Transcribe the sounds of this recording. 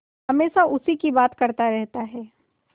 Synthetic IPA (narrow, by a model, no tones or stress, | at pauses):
ɦɐmeːsaʔʊsikibaːt̪kɐɾt̪aɾɛɦt̪aɦɛː